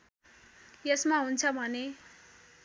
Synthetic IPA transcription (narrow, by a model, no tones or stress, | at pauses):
jʌsmaɦunt͡sʰʌbʱʌne